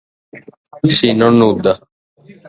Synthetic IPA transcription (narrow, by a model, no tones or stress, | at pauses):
isinɔnːud̪a